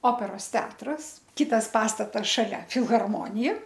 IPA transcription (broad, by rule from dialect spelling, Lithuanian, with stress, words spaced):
ˈoːpʲɛroːs ˈtʲɛɐtrɐs ˈkʲɪtɐs ˈpɑːstɐtɐs ʃɐˈlʲɛ fʲɪlˠɣɐrˈmoːnʲɪjɛ